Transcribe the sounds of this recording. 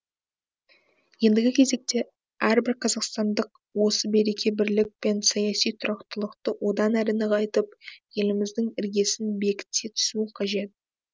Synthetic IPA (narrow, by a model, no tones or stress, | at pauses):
je̞nd̪ɪɡʲɪkʲʰe̞ze̞k̚t̪e̞ | æɾbɪɾqʰɑzɑqst̪ɑnd̪əq̚ | wo̞səbe̞ɾe̞kʲe̞bɪɾlɪk̚pe̞nsɑjɑsijt̪ʰʊɾɑqt̪əlˠəqt̪əwʔo̞d̪ɑnæɾɪnɪqɑjt̪əp̚je̞lɪmɪzd̪ɪŋɪɾɡʲe̞sɪnbe̞kʲɪ̥t̪ːet̪ʰʏ̥suqʰɑʒe̞t̪̚